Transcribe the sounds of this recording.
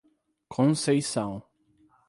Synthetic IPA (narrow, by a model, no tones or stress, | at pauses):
kʰõsejsɐ̃w̃